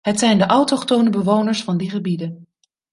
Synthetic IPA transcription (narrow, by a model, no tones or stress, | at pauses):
ɦətsɛjndəʔɑwtɔχtownəbəʋownəɹsfɑndiχəbidən